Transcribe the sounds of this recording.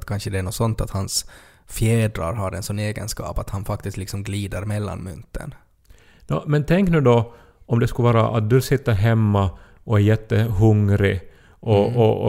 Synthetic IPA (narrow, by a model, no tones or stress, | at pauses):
t̪kʰanʂəd̪ɛæɳɔsɔnt̪at̪hans | fjeːd̪ɾa̰ɾɦaɾɛ̰nsɔnːeːɡə̰nskɑ̰ːpat̪hanfak̚t̪ɪst̪lɪksɔmɡliːd̪aɾmɛlːa̰nmʏ̰nt̪ːə̰n | j̪ɔmɛnt̪ʰɛŋknʉ̟ːd̪ɔ | ɔmd̪ɛskɵvɑːɾa̰ʔat̪̚d̪ʉlsɪt̪ːaɦɛmːa | ɔæɾjɛt̪ːəɦɵŋɾɪ | ʔɔɔ